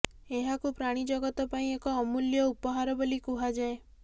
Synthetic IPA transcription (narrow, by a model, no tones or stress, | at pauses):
eɦakupɾaɽ̃id͡ʒɔɡɔt̪ɔpaĩekɔːmuljɔupɔɦaɾɔbolikuɦad͡ʒae